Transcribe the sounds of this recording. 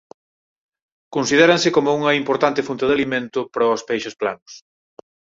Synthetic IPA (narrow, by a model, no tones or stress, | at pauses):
konsið̞ɛɾɐnsɪkomʊuŋɐimpoɾt̪ant̪ɪfunt̪ɐðalimẽnt̪ʊpɾɔspejʃospla̰nʊs